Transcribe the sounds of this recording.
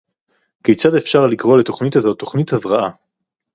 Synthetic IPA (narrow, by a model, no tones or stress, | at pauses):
kejt͡sadefʃaʁlikʁo̞leto̞χnitazo̞tːo̞χnithavʁaʔa